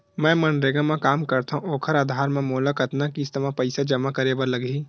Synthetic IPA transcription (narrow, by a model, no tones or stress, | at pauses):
mɛ̃ːmɐnɾeɡãmẽkaːmkɐɾt̪aɦũoːkʰəɾaːd̪ʱaːɾmẽmoːlakɐt̪nakist̪əmãpəɪsad͡ʒɐmakɐɾebəɾlɐɡiː